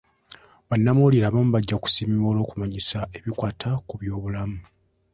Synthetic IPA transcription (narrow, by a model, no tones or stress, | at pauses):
βanːamuliɾaːβaːmuβaɟːaku̥siːmiβoːlo̞ːkumaɲisae̞βikwaːtʰakuβjo̞ːβulamu